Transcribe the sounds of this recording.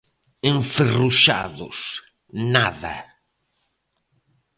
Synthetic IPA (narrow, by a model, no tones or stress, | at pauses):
ẽɱferuʃa̰ðʊ̰s | naðɐ̰